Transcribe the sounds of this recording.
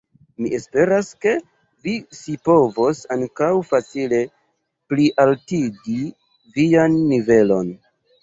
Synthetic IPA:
miʔespe̞ɾaske̞ | visipo̞vosaŋkawfat͡sile̞ | pliʔaltiɡi | vianːive̞lo̞n

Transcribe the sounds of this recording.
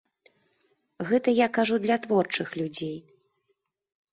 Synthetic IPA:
ɣɛt̪ɐjakaʐud̪lʲat̪vɔrt͡ʂɨxlʲud͡zʲej

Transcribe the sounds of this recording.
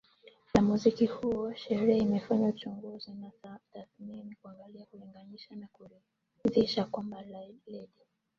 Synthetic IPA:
jamuzikihuwaʃɛɾiaimɛfaɲaut͡ʃɔŋɡɔzinataθminikuaŋɡaliakuliŋɡaniʃanaku | ziʃakwamballɛdi

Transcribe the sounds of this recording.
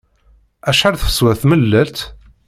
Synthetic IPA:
æʃħaɾθə̥swæθməlːælt̪

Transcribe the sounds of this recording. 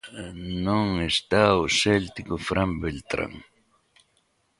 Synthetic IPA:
nʊŋest̪aːʊselt̪ɪkʊfɾambelt̪ɾa̰ŋ

